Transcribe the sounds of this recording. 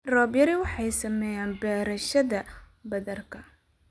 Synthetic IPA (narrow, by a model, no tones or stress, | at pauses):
rɔːbjɐɾɪwɑħɑjsɐmɛːjaːnbɛːɾɐʃɐðɐ | bɐðɐrkʰɐ